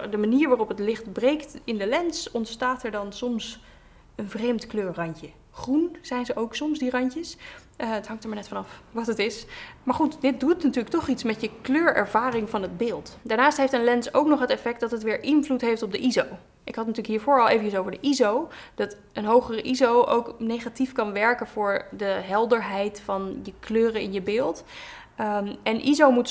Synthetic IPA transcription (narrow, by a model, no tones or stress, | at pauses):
dəmaniːɹʋaːrɔpətlɪχtbrejktɪndəlɛnsɔntstaːtɛɹdɑnsɔms | ənvrejmtkløːɹrɑɲcə | χrunz̥ɛjnzəʔowksɔmsdirɑɲcəs | ətɦɑŋktəɹmaɹnɛtfɑnɑfʋɑtətɪsmaːɹχutdɪt̚dutnatyːlək̚tɔχitsmɛtəkløːɹɛ̰ɹv̥aːrɪŋvɑnɦəd̚bɪːlˠtdaːɹnaːstɦejftənlɛnsowknɔχɦətɛfɛk̚tdɑtɦətʋɪːɹʔɪnvlutɦejftɔb̚dəʔizow | ʔɪkɦɑtnatyːlkɦiːɹvʊːɹɑlˠejvəəsowvəɹdəʔizowd̥ɑt | ənɦowχərəʔizowʔo̰wknejχatifkɑnʋɛɹkənvʊːɹdəɦɛlˠdəɹɦɛjtfɑnjəkløːrəɪnjəbɪːlˠt | ɛnʔizowmut